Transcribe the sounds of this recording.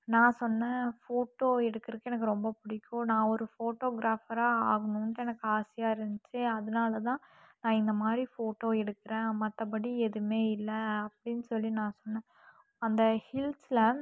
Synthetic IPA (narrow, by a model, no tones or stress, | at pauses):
nãːsɔnːɛ̃foːʈːoːɛɽɯkːɪɾɯkːɛnɐkːɯɾɔmbɐpʊɽɪkʲːʊ̃nãːɔɾɯfoːʈːoːɡɾaːfɐɾaːaːɣɐɳnʈːɛnɐkːɯaːsɪjaːɪɾɯnd̪ɯt͡ʃːɯɐðɐnaːlɐt̪ãː | nãːɪnd̪ɐmaːd̪ɾifoːʈːoːɛɽɯkːɪɾẽːmɐt̪ːɐp̬ɐɽiɛðɯmeːɪlːɐɐpːɐɽɪnːɯsɔlːinãːsɔnːɛ̃ | ɐnd̪ɐhɪlslɐ